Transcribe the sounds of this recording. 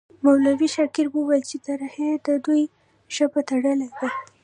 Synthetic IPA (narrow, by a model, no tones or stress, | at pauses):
mawlawiʃaɾkiɾwəwajlt͡ʃet̪aɾahed̪əd̪uj | ʃəpat̪aɽəlad̪a